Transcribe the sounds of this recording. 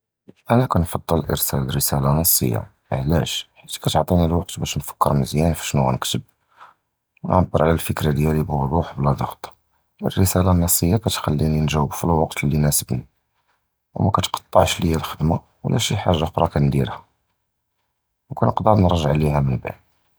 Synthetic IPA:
ʔænækænfɑd̪ˤːələlʔə̰ɾsælərəsælanɑsˤːə̰jːa̰ | ʕlæʃħit̪kæt̪ʕt̪ˤinilwɑqt̪bæʃnfə̥kːəɾməzjænfi̥ʃnuæ̰nəkt̪əb̚ | wnʕɑb̪ːəɾˤʕlælfəkɾad̪jælibwʊd̪ˤuħblæd̪ˤɑxt̪ˤ | ə̰rːəsælanɑsˤːəjːakæt̪xælːininʒæwbfilwɑqt̪əlːinæsəbnḭ | wmækæt̪qɑ̥t̪ˤːɑʕʃləjːælxəd̪ma | wlʔæʃiħaʒːaqɾˤɑkænd̪iɾhæ | wkænəqd̪əɾnɾˤɑʒəʕlihæmənba̰ʕd̪

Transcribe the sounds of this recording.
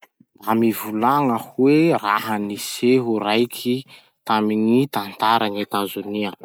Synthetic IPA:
amivulaŋəhuweraɦəniseɦuɾajkʰi | t̪amiŋit̪ant̪aɾaŋet̪azuniə

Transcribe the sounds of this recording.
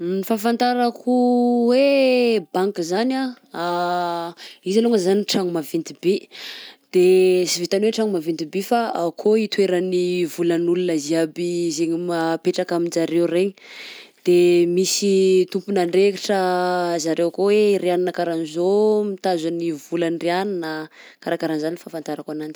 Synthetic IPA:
nifafant̪aɾakuwebaŋkizana | a | izaluŋəzaniʈ͡ʂaŋumavint̪ibe | d̪̥esivit̪anweʈ͡ʂaŋumavint̪ibifaakʰoit̪weɾanivulənulunəziabizeɲimapeʈ͡ʂakamind͡ʒaɾewreɲid̪̥emisit̪umpunaɳɖ͡ʐekiʈ͡ʂəzaɾewkoweɾeaninakaɾanizomit̪azanivulanreanina | kaɾakaɾanzaniifafant̪aɾakwanan̥

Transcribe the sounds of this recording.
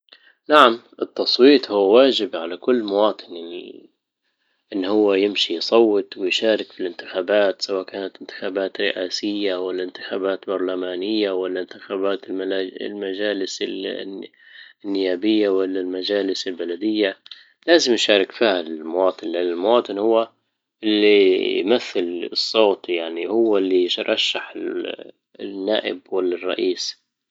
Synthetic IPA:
naʕamʔɪt̪ːɑsˤwiːt̪ˤhʊːwaːd͡ʒɪbʕalakʊlːmʊwɑːt̪ˤɨnjaḭ | ʔɪnːhʊwːajɪmʃijsˤɑwːɨt̪ˤwɪjʃaːɾɪkfilɪnt̪ɪxaːbaːt̪sawaːʔkaːnat̪ɪnt̪ɪ̥xaːbaːt̪ɾɪʔaːsɪjːawalːaɪnt̪ɪ̥xaːbaːt̪bɑɾˤlamaːnɪjːawalːant̪ɪxaːbaːt̪ɪlm̰lmad͡ʒaːlɪsɪ | ɪnːɪjaːbɪjːawalːalmad͡ʒaːlɪsɪlbalad̪ɪjːa | laːzɪmjʃaːɾˤɪkfiːhalɪlmʊwɑːt̪ˤɨnlaɪlmʊwɑːt̪ˤɨnhʊwːa | ʔɪlːijmaθːɪlɨsˤːoːt̪jaʕnihʊwːalːiɾˤɑʃːaħɪ | nːa̰ːʔɪ̰bwalːarˤːɑ̰ʔiːs

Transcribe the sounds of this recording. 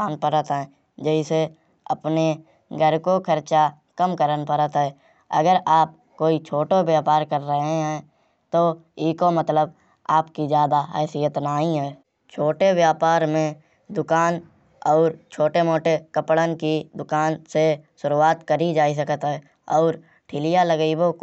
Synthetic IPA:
aːnpəɾət̪ɦɛ̃ː | d͡ʒəɪse | əpne | ɡʱəɾkokʰəɾt͡ʃa | kəmkəɾənpəɾət̪ɦɛː | ə̰ɡəɾaːp̚ | koːit͡ʃʰoːʈobjaːpaːɾkəɾːəɦeɦɛ̃ | t̪o | iːkomət̪ləb | aːpkizjaːd̪aɦɛːsijət̪naːɦĩɦɛː | t͡ʃʰoːʈewjaːpaːɾmẽ | d̪ʊkaːn | ɔːɾt͡ʃʰoːʈemoːʈekəpɽənkid̪ʊkaːnseʃʊɾuaːt̪kəɾid͡ʒaːis̬əkət̪ɦɛ | ɔːɾ | ʈʰɪlɪjaləɡibo

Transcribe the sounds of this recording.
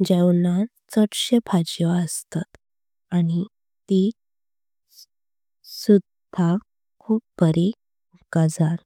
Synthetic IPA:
d͡ʑɛwnã | t͡səʈɕepʰad͡ʑiʋaəst̪at̪ | aɽ̃i | t̪i | sud̪ʱa | kʰuːp̚bəɾe | ukad͡zaɾ

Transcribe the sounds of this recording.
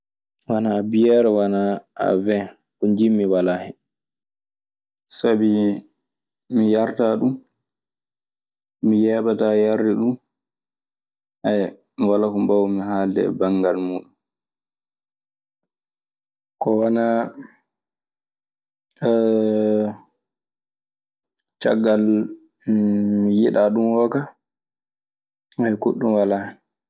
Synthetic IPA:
wanaːbijɛɾɛwanaa̰vɛ | kuɲd͡ʒimːiwalahɛ | sabi | mijaɾtaɗum | mijɛːɓatajaɾːɛɗun | a | miwalakɔmbawmiɦaːldɛ̰baŋɡalmuːɗun | kɔwana | t͡ʃa̰ɡːal | mijiɗaɗumhɔka | hajkuɗːumwala

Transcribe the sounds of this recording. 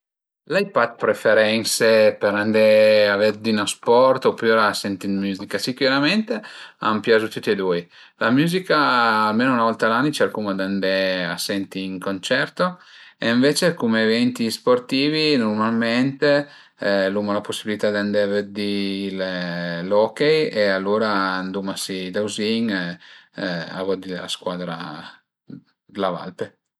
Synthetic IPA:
lajpad̪̚pɾefeɾɛnsepeɾand̪eavɛd̪inospɔrt̪opːioɾaːsːɛnt̪inmjuːzikasikuɾament̪ea̰mpjazut̪ut̪ːied̪uj | lamjuːzikaːlmeːnounavɔlt̪alanːit͡ʃaɾkumad̪and̪ea̰sːɛnt̪iːŋkont͡ʃɛrt̪oeiɱvet͡ʃekumeːvɛnt̪isport̪iːvinormalment̪e | lumolaposːibilit̪ad̪and̪ɛved̪illɔkejealːoːɾand̪umasid̪awziŋ | a̰vɔd̪ila̰skwaːd̪ɾa̰ | lava̰lpe

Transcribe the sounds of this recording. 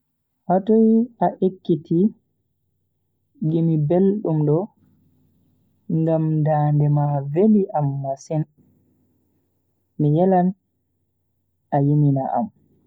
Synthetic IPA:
hatɔjaʔekːitʰi | ɡimibelɗumɗɔ | ŋɡamdaːndɛmaveliʔamːasin | mijɛlan | ajinina̰ʔa̰m

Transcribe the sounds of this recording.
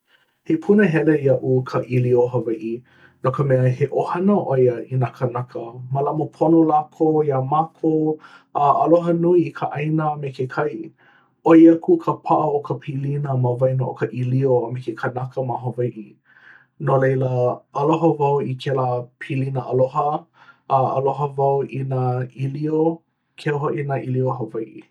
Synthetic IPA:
hepʰunəɦɛlejɐʔukʰəʔilioɦɐvɐjʔi | nokəmɛəheʔohɐnəʔojəinakʰənɐkʰəməlɐmopʰonolakʰojamakʰo | əɐloɦənuiːkʰəʔɐjnəmekekʰɐj | oiɐkʰukʰəpʰaʔəokʰəpʰilinəməvɐjnoʔokəʔilioəmekekʰənakəmaɦovajʔi | nolejləɐloɦəvɐwikʰelapʰilinəʔɐloɦəʔəɐ̰loɦəvɐwinailio | kʰeoɦoʔinaʔilioɦovɐjʔḭ

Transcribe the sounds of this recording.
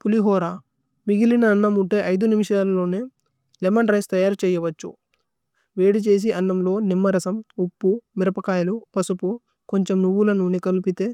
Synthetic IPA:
puliɦɔːɾaː | miɡilinɐːnːɐmuɳʈeːʔɐjd̪unimiʃaːlɐlo̞ːneː | lemɐnɾɐjst̪ɐjaːɾt͡ʃɛːjɐʋɐt͡ʃːṵ | ʋe̞ːɽit͡ʃe̞ːs̬iʔɐnːɐmlo̞ːnimːɐɾɐsɐmupːumiɾɐpɐkaːjɐlupɐsupu | ko̞ɲt͡ʃe̞mnuʋːulɐnunikɐlupit̪e̞ː

